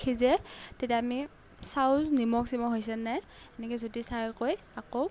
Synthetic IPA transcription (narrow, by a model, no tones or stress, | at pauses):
kʰizɛtetaami | sawnimɔksimɔɦojs̬ɛnɛ | ɛnɛkɛzotisajkoj | ako